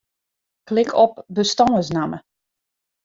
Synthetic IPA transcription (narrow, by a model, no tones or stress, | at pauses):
klɪkʰɔp̚bəstɔːəsnamə